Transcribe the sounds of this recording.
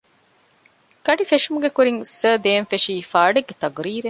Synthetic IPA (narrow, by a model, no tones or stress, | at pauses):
ɡ̥ɐɖifeʂumuɡekuɾiŋsəːd̪eːnfeʂiːfaːɖeɡːet̪ɐɡɾiːɾe